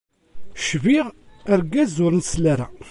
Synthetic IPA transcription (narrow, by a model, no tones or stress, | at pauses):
ʃviʁəɾɡæzʊɾnslæɾæ̰